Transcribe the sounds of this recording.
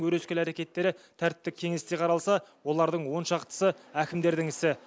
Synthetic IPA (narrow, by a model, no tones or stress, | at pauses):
wɵɾeskʲelæɾe̞kʲe̞t̪ːe̞ɾɪt̪ʰæɾt̪ɪpt̪ɪkʲʰːe̞ŋe̞st̪e̞qʰɑɾɑlˠsɑwo̞lˠɑɾd̪əɴwo̞nʃɑqt̪ə̥səækʲɪmd̪e̞ɾd̪ɪŋɪsɪ